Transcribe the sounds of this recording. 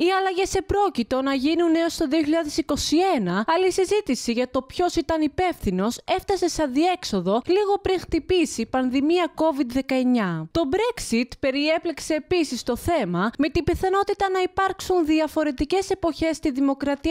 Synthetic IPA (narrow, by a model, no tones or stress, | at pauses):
iɐlɐʝe̞se̞pɾo̞cit̪o̞nɐʝinune̞o̞st̪o̞ðio̞çiʎɐðe̞siko̞sie̞nɐɐlɐisizit̪isiʝɐt̪o̞pço̞sit̪ɐnipe̞fθino̞se̞ft̪ɐse̞sɐðie̞kso̞ðo̞liɣo̞pɾiŋxt̪ipisiːpɐnðimiɐko̞vid̪ðe̞kɐe̞ɲɐt̪o̞bɾe̞ksit̪pe̞ɾie̞ple̞kse̞ːpisist̪o̞θe̞mɐme̞t̪ibiθɐno̞t̪it̪ɐnɐipɐɾksunðiɐfo̞ɾe̞t̪ice̞se̞po̞çe̞st̪iðimo̞kɾɐt̪iɐ